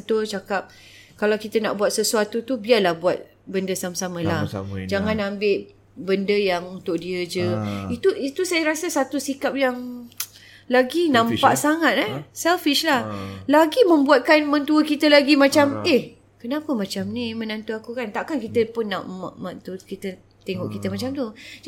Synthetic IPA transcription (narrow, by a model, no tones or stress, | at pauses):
nt̪ut͡ʃakap̚ | kalawkit̪əna̰ʔbuat̪̚səsuat̪ut̪ubiarlahbuat̪̚ | bəndəsamasamə̃lahd͡ʒaŋãnambɪʔ | bəndəjaŋunt̪ʊʔ̚diəd͡ʒəit̪uit̪usajaɾasəsat̪usikap̚jaŋ | laɡinãmpaʔsaŋat̪̚ɛsɛlfiʃlahlaɡimə̃mbuat̪̚kanmə̃nt̪uəkit̪əlaɡimat͡ʃameh | kənapəmãt͡ʃamnimə̃nãnt̪uakukant̪aʔkankit̪əpʊnːaʔmaʔmaʔt̪ukit̪ə | t̪eŋɔʔkit̪əmat͡ʃamt̪u